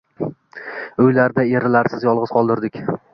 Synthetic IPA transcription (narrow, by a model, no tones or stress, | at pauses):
ʊjlaɾd̪ae̞ɾɪlaɾsɪzjɒlˠʁɨz̥qʰɒlˠd̪ɪɾd̪ɪkʲ